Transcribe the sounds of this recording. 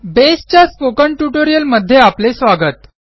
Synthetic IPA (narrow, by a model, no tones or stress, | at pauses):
best͡ɕjaspokəɳʈuʈoɾijəlməd̪ʱːjeaplesʋaɡət̪